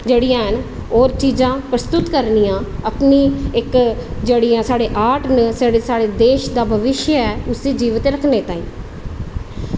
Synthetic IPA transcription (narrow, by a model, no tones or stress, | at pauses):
d͡ʒeːɽiːãːɦən | oːɾt͡ʃiːzãːpɾəst̪ʊt̪kəɾniːãːəpniːɪkd͡ʒeːɽiːãːsaːɽeːʔaːʈnəsaːɽeːsaːɽeːd̪eːʃd̪aːbʱəʋɪʃjəɛːʊsiːd͡ʒiːʋət̪ɾəkʰneːt̪ãːḭ̃ː